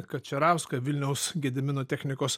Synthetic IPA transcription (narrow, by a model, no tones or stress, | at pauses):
kɐt̪̚t͡ʃʲɛɾɑʊskɐʋʲɪlʲnʲɛʊsɡʲɛd̪ʲɛmʲɪnoːt̪ʲɛːxʲnʲɪkoːs